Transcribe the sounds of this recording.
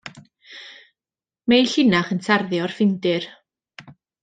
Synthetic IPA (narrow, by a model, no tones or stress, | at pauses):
mejɬɪnaχəntʰarðjɔrfɪndɪr